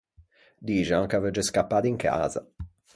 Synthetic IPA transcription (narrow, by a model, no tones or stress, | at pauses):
d̪iːʒaŋkavɛd͡ʒeskapːaːt̪iŋkʰa̰ːza̰